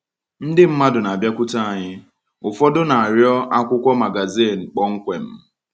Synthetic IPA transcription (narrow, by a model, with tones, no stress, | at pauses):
n̩˦dɪ˦m̩˦ma˦dʊ˨na˨a˨bja˦kʷʊ˦ta˦a˨ɲɪ˦ | ʊ˨fɔ˦dʊ˦na˨a˨ɾjɔ˦ʔa˦kʷʊ˦kʷɔ˦ma˨ɡa˨zi˦˨n̩˨k͡pɔ˦ŋ̩˦kʷe˨m̩˦